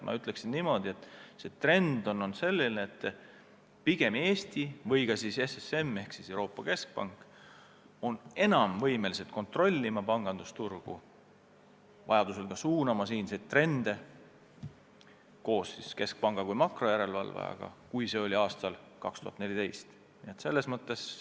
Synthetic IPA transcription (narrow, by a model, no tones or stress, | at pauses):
mʔɑ̰yt̪ˑle̞ksinnimo̞d̪̥ie̞t̪ːˑse̞t̪re̞nd̪o̞no̞nse̞lʲːineet̪ːˑ | piɡ̥e̞me̞ːst̪ivɤjɡ̥ɑsise̞sese̞mːe̞hksisewɾo̞ːpːˑɑke̞sk̚pɑ̰ŋkˑ | o̞ne̞nɑmvɤ̞jme̞lise̞t̪̚ko̞nt̪ro̞lʲːimɑpɑŋɡ̥ɑnd̪̥ust̪urɡ̥ṵ | vɑ̰jɑd̪̥use̞lɡ̥ɑsuːnɑmɑsiːnset̪ːre̞nd̪̥e̞ | ko̞ːsːiske̞sk̚pɑŋɡ̥ɑkujmɑkro̞jæɾe̞lvɑ̰lvḛɑ̰ɡ̥ɑ̰kujse̞o̞lʲiɑːst̪ɑl | kɑkst̪uhɑt̪ne̞lʲit̪ejst̪ | niet̪se̞lːe̞smɤt̪ˑːe̞s